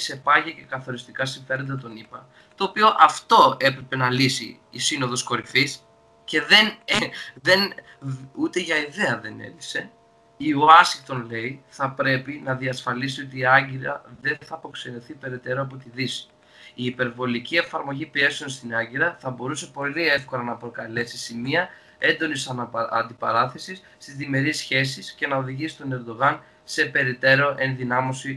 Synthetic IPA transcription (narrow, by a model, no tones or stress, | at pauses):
se̞pɐʝeɐce̞kɐθo̞ɾist̪ikɐsiɱfe̞ɾo̞nd̪ɐt̪o̞nipɐ | t̪o̞ːpio̞ʔɐft̪o̞e̞pɾe̞pe̞nɐlisḭː | sino̞ðo̞sko̞ɾifis | ce̞ðe̞n | ðe̞n | ut̪e̞ʝɐiðe̞ɐðe̞ne̞̰ðise̞ | ioɐsiŋkt̪o̞nle̞iθɐpɾe̞pinɐðiɐsfɐlisio̞t̪iːɐɲɟiɾɐ̰ðe̞nθɐpo̞kse̞noθipe̞ɾe̞t̪e̞ɾoɐp̬o̞t̪iðis | iːpe̞ɾvo̞licie̞fɐɾmo̞ʝipie̞sio̞nst̪inɐɲɟiɾɐθɐbo̞ɾuse̞po̞lie̞fko̞lɐnɐpɾo̞kɐle̞sisimiɐ | e̞nd̪o̞nisɐ̰nd̪ipɐ̰ɾɐθe̞sis | t̪izðime̞ɾisçe̞s̬isce̞nɐoðiʝisist̪one̞ɾd̪o̞ɣɐn | se̞pe̞ɾit̪e̞ɾo̞ʔe̞nðinɐmo̞si